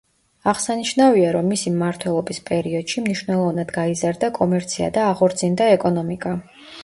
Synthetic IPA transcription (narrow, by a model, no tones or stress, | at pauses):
aʁsaniʃnaviaɾɔmːisimmaɾt̪ʰwɛlˠɔbispʼɛɾiɔd̪̥ʃimniʃwnɛlˠɔvnad̪ɡaizaɾd̪akʼɔmɛɾt̪sʰia̰d̪aːχɔɾt̪sʰind̪aɛkʼɔnɔmikʼa